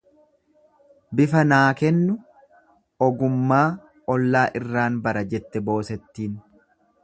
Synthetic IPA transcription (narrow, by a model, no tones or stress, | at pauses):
bɪfɐnaːkɛnːʊ | ʔɔɡʊmːaː | ɔlːaːʔɪrːaːnbɐɾɐd͡ʒɛt̪ːɛbo̞ːsɛt̪ːiːn